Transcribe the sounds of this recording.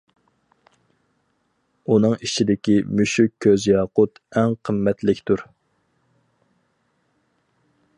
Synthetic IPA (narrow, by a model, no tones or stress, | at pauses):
unɨŋit͡ʃʰid̪ɪkʲimyʃykʲʰːøzjɑːqʊt̪ɛŋqʰəmːɛt̪lɪkʲt̪ʰuɾ